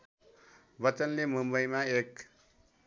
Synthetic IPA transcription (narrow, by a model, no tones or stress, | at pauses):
bʌt͡sʌnlemumbʌjmaek